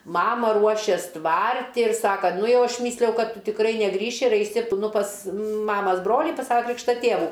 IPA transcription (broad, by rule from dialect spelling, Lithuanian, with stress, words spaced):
ˈmɑːmɐ ˈruɔʃʲeːs ˈtʋɐrʲtʲɪ ɪr ˈsɑːkɐ ˈnʊ ˈjɛʊ ˈɐʃ ˈmʲiːsʲlʲɪjɛʊ ˈkɐt ˈtʊ tʲɪkˈrɐɪ nʲɛˈɡrʲiːʃʲɪ ɪr ˈɐɪsʲɪ p nʊ pɐs ˈmɑːmɐs ˈbroːlʲiː pɐs ˈsɑːʋɐ ˈkrʲiːkʃtɐ ˈtʲeːʋuː